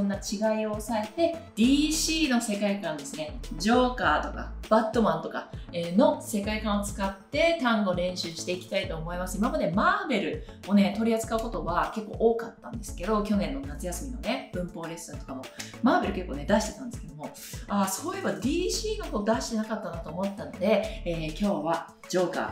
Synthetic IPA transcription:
õnːat͡ɕiɡaio̞sae̞t̪e̞d̪̥ʲiːɕiːno̞se̞kaikãnd̪e̞sɨne̞d͡ʑo̞ːkaːt̪o̞ka̰b̥at̪ːo̞mãnt̪o̞kaeːno̞se̞kaikãɰ̃o̞t͡sɨ̥kat̪ːe̞t̪ãŋɡo̞ɾẽ̞ɰ̃ɕɨːɕi̥t̪e̞ikʲi̥t̪ait̪o̞ːmo̞imasɨimamad̪e̞maːbe̞ɾɯ̟o̞ne̞t̪o̞ɾʲiat͡sɨ̥kaɯ̟kot̪o̞ɡake̞kːo̞̰ːʔoːkat̪ːã̰nd̪e̞sɨ̥ke̞d̪o̞kʲo̞nẽ̞nːo̞nat͡sɨjasɨmʲino̞̰neb̥ɯ̟̃mpo̞ːɾe̞sat̪okamo̞maːbe̞ɾɯ̟ke̞kːoːne̞d̪aɕit̪e̞t̪ã̰nd̪esɨ̥ke̞d̪o̞mo̞ | aso̞ːje̞bad̪ʲiːɕiːɡako̞ːd̪aɕi̥t̪e̞nakat̪ːanat̪o̞ːmo̞t̪ːano̞d̪e̞ːkʲo̞ːβa | d͡ʑo̞ːka̰ː

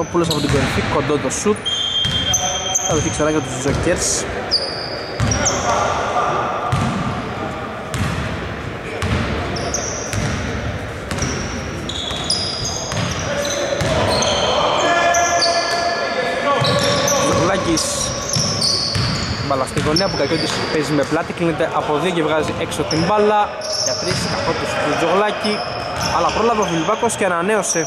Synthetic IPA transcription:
opulos̬ɐpot̪iɡoɾifikond̪oðosut̪ | sɐɾeθikseɾɐɣɐt̪uzzoceɾs | loɣlɐcis | t̪ibɐlɐst̪iɣo̞niɐp̬ukɐcot̪ispezime̞plɐt̪iklinet̪e̞ʔɐpo̞ðio̞cevɣɐziʔe̞ksot̪iɱbɐlɐ | ʝɐt̪ɾiskɐfot̪isplod͡zo̞ɣlɐci | ɐlɐpɾo̞lɐvɐvilvɐko̞sceɐnɐne̞o̞se

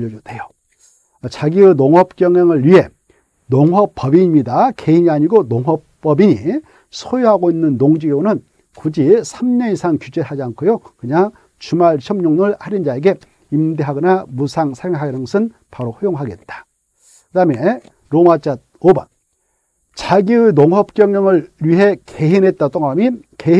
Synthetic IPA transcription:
ʎːʌd͡ʑotʰejo | t͡ɕaɡiɯnoŋɦʌp̚k͈jʌŋʌŋɯɭɥiɦe̞ | noŋwʌp͈ːʌbimɲidake̞iɲiaɲiɡonoŋɦʌpp͈ːʌbiɲi | sʰojoɦaɡoinːɯnːoŋd͡ʑiɡonɯn | kud͡ʑisʰamɲʌisʰaŋkjud͡ʑeɦad͡ʑiankʰojokɯɲaŋ | t͡ɕumaɭɕʰʌmɲoŋnɯɭhaɾind͡ʑae̞ɡe̞ | imdeɦaɡʌnamusʰaŋsʰaɾjoŋɦaɡenɯŋɡʌsʰɯn | paɾoɸojoŋɦaɡe̞t̚t͈ḁ | kɯdame | ɾomat͡ɕat̚obʌn | t͡ɕaɡiɯjnoŋɦʌp̚k͈jʌŋɲʌŋɯɭːɥiɦe̞kʰe̞ɦinɦe̞t̚t͈at͈oŋamike

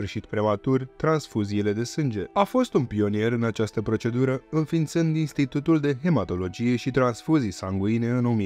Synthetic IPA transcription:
fɨrʃit̪pɾe̞mat̪urʲt̪ɾansfuziːle̞d̪e̞sɨnd͡ʒe̞afo̞st̪unpio̞nie̞ɾɨnat͡ʃast̪əpɾo̞t͡ʃe̞d̪uɾəɨnfint̪sɨnd̪inst̪it̪ut̪uld̪e̞ɦe̞mat̪o̞lo̞d͡ʒije̞ʃit̪ɾansfuzijsaŋɡuine̞ɨnomi

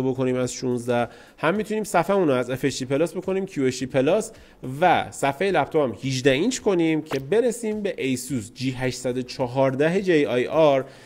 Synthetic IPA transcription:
obo̞kʰo̞niːmæzʃunzd̪æh | hæmːit̪ʰuniːmsæfæmunoæze̞feʃd̪ipʰe̞lɒsbo̞kʰo̞niːmcʰjueʃd̪ipʰe̞lɒs | væsæfejelæpt̪ʰopæmhid͡ʒd̪æint͡ʃʰkʰo̞niːmcʰe̞be̞ɾesiːmbe̞ʔejsuzd͡ʒiːɦæʃsæd̪o̞t͡ʃʰɒɦɒːɾd̪æɦed͡ʒejɒjɒɾ

